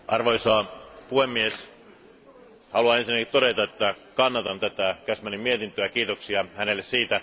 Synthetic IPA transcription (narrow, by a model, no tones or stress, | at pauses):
ɑrʋojsɑːpuhemːies | hɑluɑensinːækit̪t̪o̞dɾe̞t̪ɑet̪ːæ | kɑnːɑt̪ɑnt̪æt̪ækæsmænimmiet̪int̪øækiːt̪oksiɑhæne̞lːessiːt̪æ